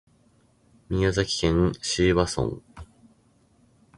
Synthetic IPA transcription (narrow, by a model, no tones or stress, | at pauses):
mʲijazakʲi̥kẽ̞ŋɕiːβasõ̰ŋ